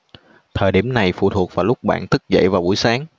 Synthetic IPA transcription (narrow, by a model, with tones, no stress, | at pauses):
t̪ʰəː˨˩jɗi˧˩əmna˨˩jfṵ˧˨t̪ʰu˨˩ək̚vaː˨˩lʊ˦˥k͡p̚ɓa̰ː˧˨nt̪ʰɨ˦˥k̚zə̰˧˨jvaː˨˩wɓu˧˩jsaː˨˦ŋ